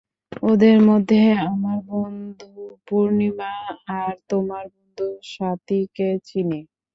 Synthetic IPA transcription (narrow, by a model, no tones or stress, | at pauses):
od̪eɾmod̪ʱːeamaɾbond̪upuɾnimaːɾt̪omaɾbond̪ʱuʃat̪iket͡ɕʰine